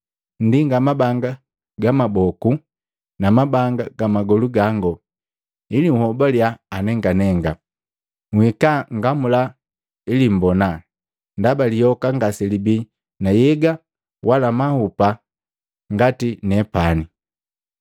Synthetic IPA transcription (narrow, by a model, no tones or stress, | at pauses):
n̩diŋɡamabaŋɡa | ɡamabɔku | namabaŋɡaɡ̥amaɡɔluɡaŋɡɔ | iliŋ̩uhɔbaljaːnɛŋɡanɛŋɡa | ŋwhikaŋɡamula | ilim̩bɔna | ndabalijɔkaŋɡasɛlibi | najɛɡa | wʔalamahupa | ŋɡatinɛpani